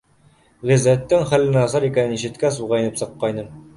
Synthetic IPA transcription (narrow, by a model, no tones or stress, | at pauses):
ʁizæt̪ːɘŋχælːɘ̆næsɑɾikænɘniʃɘ̆t̪kæs̬uʁɑinɘpsɤ̆qːɑjnɤɴ